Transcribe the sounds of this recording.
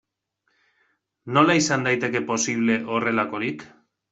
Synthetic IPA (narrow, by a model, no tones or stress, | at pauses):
no̞laisand̪ajt̪e̞ke̞po̞siβ̞le̞ʔo̞re̞lako̞ɾik